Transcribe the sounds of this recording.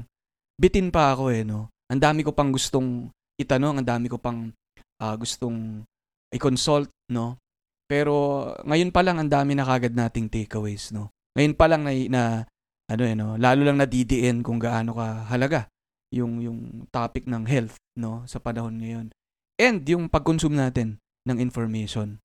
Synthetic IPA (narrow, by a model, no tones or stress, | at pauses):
bɪt̪ɪnpɐʔɐko̞ʔɛno̞ʔɐnd̪aːmɪkopɐŋɡʊst̪o̞ŋ | ʔɪt̪ɐno̞ŋɐnd̪aːmɪkopɐŋ | ʔɐːɡʊst̪o̞ŋ | ʔɪkonsolt̪̚no̞ | pɛːɾo̞ŋɐjo̞npɐlaŋɐnd̪aːmɪnɐkɐʔɐɡɐd̪̚naːt̪ɪŋt̪ɛːkɐwɛjsno̞ | ŋɐjo̞npɐlaŋnɐjnɐ | ʔɐno̞ʔɐno̞laːlulɐŋnɐd̪id̪ɪʔɛnkʊŋɡaʔaːno̞kɐɦɐlɐɡa | jʊŋjʊŋt̪aːpɪk̚nɐŋɦɛlt̪̚no̞sɐpɐnɐho̞nŋɐjo̞n | ʔɛnd̪jʊŋpɐɡ̚konsumnaːt̪ɪnː | ɐŋɪnfoɹmɛʃon